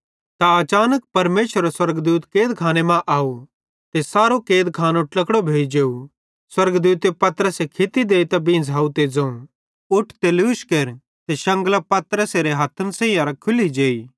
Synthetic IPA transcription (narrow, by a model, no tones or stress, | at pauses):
t̪aɐt͡ʃaːnək̚pɐɾmeːʃəɾaswɐɾɡd̪uːt̪keːd̪kʰaːnemãʔaːu | t̪esaːɾokeːd̪kʰaːnõʈlɐkɽobʱeːid͡ʒeːu | swɐɾɡd̪uːt̪epɐt̪ɾəsekʰɪt̪id̪eːt̪abĩːnd͡zɦaːut̪ed͡zɐ̃ũ | ʊʈʰt̪eluːʃkeːɾ | t̪eʃɐ̃ŋɡəlapɐt̪ɾəseɾeɦɐt̪ʰənsẽːjãɾakʰʊlid͡ʒeːi